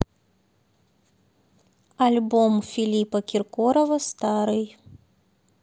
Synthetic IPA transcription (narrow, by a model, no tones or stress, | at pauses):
alʲbɔmfʲilʲipɐkʲirkɔɾɐvɐst̪aɾɨj